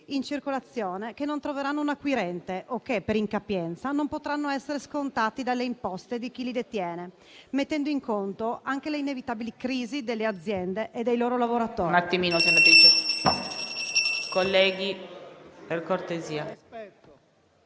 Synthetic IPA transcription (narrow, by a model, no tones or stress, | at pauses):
int͡ʃirkolat̪sːjoːnekenːont̪ɾoveɾanːounakːwiɾɛnt̪eʔokːepːeɾiŋkapjɛnt̪sanompot̪ɾanːoɛsːeɾeskont̪aːt̪id̪alːeimpɔst̪ed̪ik̟ilid̪et̪jɛːne | met̪ːɛnd̪oiŋkont̪oaŋk̟eleinevit̪aːbilikɾiːzid̪elːead̪zːjɛnd̪eʔed̪ːejloːɾolavoɾat̪oːnat̪ːimiːnosenapiːt̪o | kolːɛːɡi | perkort̪eziːa